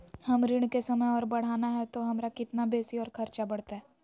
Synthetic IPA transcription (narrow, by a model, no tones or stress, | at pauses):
hɐmɾɪɽ̃kesɐməjɔːɾbɐɽ̤aːnaɦɛt̪oɦɐmɾakɪt̪nabeːsiɔːɾkʰɐɾt͡ʃabɐɽ̤t̪aɦɛː